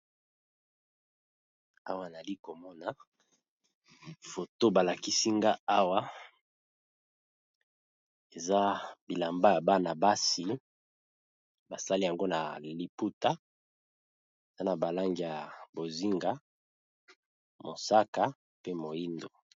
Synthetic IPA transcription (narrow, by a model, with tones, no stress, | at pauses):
a̰˦wa˦˨na˨li˦ko˨mɔ˦na˨ | fo˨to˦ba˨la˨ki˦si˦ŋɡa˦a˦wa˦ | e˨za˦bi˨la˨mba˦ja˨ba˦na˨ba˦si˨ | ba˨sa˦li˦ja˨ŋɡo˦na̰˨li˨pu˦ta˦ | e˨za˦na˨ba˨la˦ŋɡi˨ja˨bo˨zi˦ŋɡa˦ | mo˨sa˦ka˦ | pe˦mo˨ji˦ndo˨